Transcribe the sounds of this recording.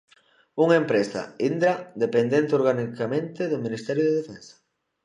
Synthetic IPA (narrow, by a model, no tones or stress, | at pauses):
uŋaempɾesa̰ind̪ɾad̪epend̪ent̪eoɾɣanikamẽnt̪eðominist̪ɛɾjʊðeðefensɐ̥